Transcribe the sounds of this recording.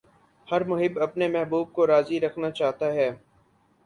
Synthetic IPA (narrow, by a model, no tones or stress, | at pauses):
hɐɾmʊɦɪbɐpnemɛɦbuːb̚koɾaːziɾɐkʰnat͡ʃaːɦt̪aɦɛː